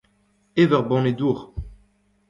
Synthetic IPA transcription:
evœʁbɔ̃ned̪uːʁ

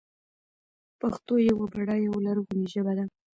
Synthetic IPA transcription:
paxt̪ojawabaɽɑjawalaɾuɣuniʒəbad̪a

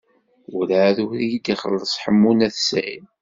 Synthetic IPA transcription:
ulʕðuɾijid̪iχə̰lːəsˤħəmːunæθsæ̰im

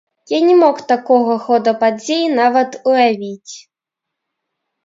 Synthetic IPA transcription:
janʲɛmɔkt̪akɔɣɐxɔd̪ɐpad͡zʲejnavɐt̪ujavʲit͡sʲ

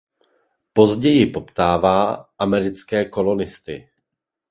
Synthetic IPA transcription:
po̞zɟɛjɪpo̞pt̪aːvaːʔamɛɾɪt͡skɛːko̞lo̞nɪst̪ɪ

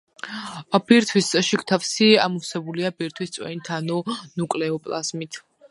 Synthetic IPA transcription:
b̥iɾt̪ʰwisʃikʰt̪ʰafsiamɔsɛbuliabiɾt̪ʰwist̪sʼwɛ̰nit̪ʰanɔnukʼlɛɔpʼlˠa̰zmit̪ʰ

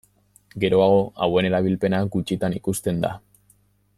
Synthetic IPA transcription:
ɡe̞ɾo̞aɣ̞o̞awe̞ne̞ɾaβ̞ilpe̞naɡut͡ʃit̪anikust̪e̞nd̪a̰

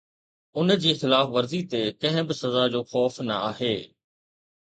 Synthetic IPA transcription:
ʊnd͡ʑiːxɪlaːfʋɐɾzit̪ekɐ̃ɦɪ̃bɪsɐzad͡ʑoːxɔːfnɐ̰aːɦeː

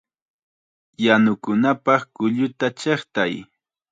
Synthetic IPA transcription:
janʊkʊnapɑχkʊʎʊt̪at͡ʃeχt̪aj

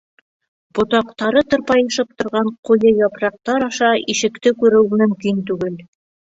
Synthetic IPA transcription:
b̥ŏt̪ɑqt̪ɑɾɤt̪ŏɾpɑjɤ̆ʃɤp̚t̪ŏɾʁɑɴqujɤjɒpɾɑq̚t̪ɑɾɑʃɑʔiʃɘ̆kt̪ɘkʉɾɘwmɵ̆mkint̪ʉɡɘl

